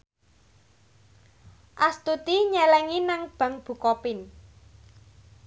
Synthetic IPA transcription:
ʔast̪ut̪iɲɛlɛŋinaŋb̥ä̤ŋb̥ṳkɔpɪn

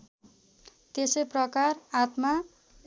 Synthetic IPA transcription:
t̪esʌjprʌkarat̪ma

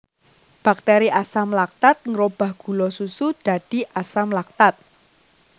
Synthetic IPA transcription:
b̥a̤k̚t̪ɛɾiʔasamlak̚t̪at̪̚ŋəɾob̥a̤hɡ̥ṳlɔsusud̪̥a̤d̪̥i̤ʔasamlak̚t̪at̪̚

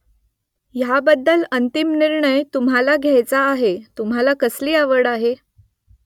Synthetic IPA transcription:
jabəd̪ːələnt̪imniɾɳəjt̪umɦalaɡʱjajt͡saːɦet̪umɦalakəsliːaʋəɽaɦe

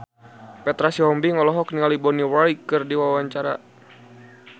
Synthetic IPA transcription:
pɛt̪ɾasiɔmbiŋɔlɔɦɔk̚niŋalibɔniwajkɨrdiwawaɲt͡ʃaɾa̰

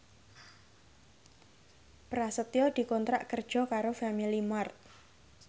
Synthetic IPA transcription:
pɾasət̪jɔd̪̥i̤kɔnt̪ɾa̰ʔkərd̥ʒ̥ɔ̤kaɾofamilimart̪̚

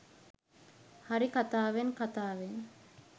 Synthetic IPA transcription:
haɾikat̪aːʋenkat̪aːʋeŋ

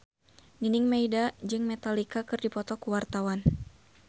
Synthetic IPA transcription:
ninɪŋmaidad͡ʒɨŋmɛt̪alikakɨrdipɔt̪ɔkuwart̪awan

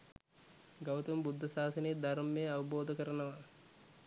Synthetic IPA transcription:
ɡawt̪umbud̪ʱːɐsaːsəneed̪aɾmːejəaʋɐboːd̪əkəɾɐnəʋɐ

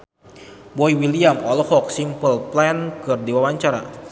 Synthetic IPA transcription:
bɔjwiliamɔlɔhɔk̚simpəlplɛnkɨrdiwawaɲt͡ʃaɾa̰

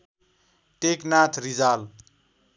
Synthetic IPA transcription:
ʈeknat̪ʰrid͡zal

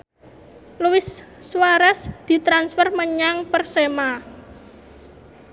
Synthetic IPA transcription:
luwɪsː | uwaɾasd̪̥i̤t̪ɾansfərməɲaŋpərsema

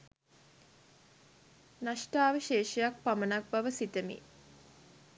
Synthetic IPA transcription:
naʃʈaːʋəʃeːʃejak̚pamənak̚baʋəsit̪əmḭ

